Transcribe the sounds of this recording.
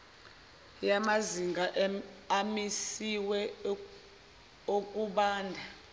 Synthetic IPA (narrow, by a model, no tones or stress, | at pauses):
jamaziŋɡʱaʔamisiwɛ | okʼuɓaːndʱa